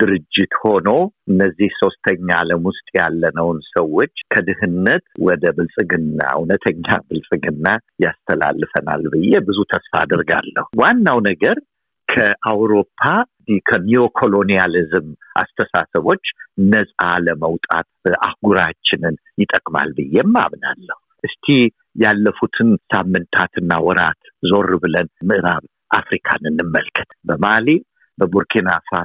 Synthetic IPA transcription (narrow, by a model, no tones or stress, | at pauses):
d̪̥ɨɾɨd͡ʒːɪt̪ho̞no̞ɨnːəzːihso̞st̪ʰəɲːaləmʊst̪ʼjalːənəwnsəwːo̞t͡ʃːkʰəd̪ɨhɨnːət̪wɔd̪əbɨlsʼɨɡɨnːa̰unət̪ʰəɲːa̰bɨlsʼɨɡɨnːajast̪ʰəla̰lːɨfəna̰lbɨjːebɨzut̪ʰəsfa̰ːd̪əɾɡa̰lːə̰huwanːawnəɡəɾ | kʰəʔawɾo̞pʰːa | ikʰənio̞kʰo̞lo̞nijalɨzɨmʔa̰st̪ʰəsasəβo̞t͡ʃːnəsʼaləməwt̪ʼa̰t̪̚ʔahɡuɾat͡ʃːɪnɨnjɪt̪ʼəkʼma̰lbɨjːɛmːa̰mna̰lːəhuʔɨst̪ʰi | jalːəfut̪ʰɨnsamːɨnt̪ʰat̪ʰɨnːawɔɾat̪ | zo̞rːbɨlənmɨʔɨɾaβ | ʔafɾikʰa̰nɨnːɨmːəlkʰɨ̥t̪bəmali | bəbuɾkʰinasat̪